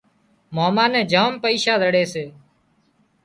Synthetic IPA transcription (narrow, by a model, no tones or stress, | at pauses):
maːmãːnɛ̃ːd͡ʒaːmpəiːʃaːd̪əɽeːseː